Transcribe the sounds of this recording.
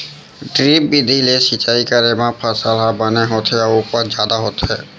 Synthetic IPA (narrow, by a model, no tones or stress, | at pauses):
ɖɾip̚bid̪ʱilesit͡ʃaːikaɾemãpʰasalabəneɦot̪ʰɛɔɾopəɾd͡ʒaːd̪aɦot̪ɦɛː